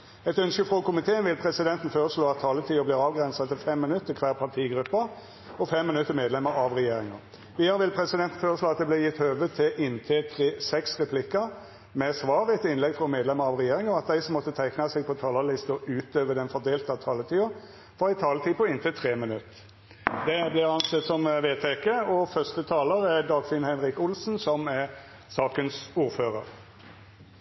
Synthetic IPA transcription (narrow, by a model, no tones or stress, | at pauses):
ɛt̪œnskəfʁɔkʊmɪt̪ʰeːənʋɪlpʰʁɛsɪd̪ɛnt̪n̩føːɾəsɭoːɑt̪ʰːɑːlət̪ʰiːʊblɪːɾɑːʋɡɾɛnsɑt̪ʰɪfɛmːɪnʉt̪ːəkʰʋæːʁpʰɑʁt̪ʰiːɡɾʉpːə | ɔfɛmːɪnʉt̪ːəmeːd̪lɛmːəɾɑʋʁɛjeːɾɪŋə̰ | ʋiːd̪ɑɾəʋɪlpʰɾɛsɪd̪ɛnt̪n̩føːɾəsloːɑt̪̚d̪ɛblɪjɪt̪ːhøːʋət̪ʰɪʔɪnt̪ʰɪt̪ʰʁeːsɛksʁɛpʰlɪkːə | mɛsʋɑːʁəɛt̪ɪnlɛɡfɾɔmeːd̪lɛməɾɑʋʁɛjeːɾɪŋəɔɑt̪̚d̪æɪsɔmːɔt̪ːət̪ʰæɪknɑsɛɡ̚pʰɔt̪ʰɑːlɑlɪst̪ɔʔʉːt̪øːʋəd̪ɛnfɔʁd̪eːlt̪ɑt̪ʰɑːlət̪ʰiːʊ | fɔɾɪt̪ʰɑːlət̪ʰiːpɔɪnt̪ɪt̪ʰʁeːmɪnʉt̪ː | d̪ɛblɪɾɑnsɛt̪sɔmʋeːt̪ʰekəɔfœst̪ət̪ʰɑːləɾæd̪ɑːɡfɪnhɛɪnʁɪkʊlsn̩sɔmɛʁ | sɑːkənsuːɾføːɾə̰ɾ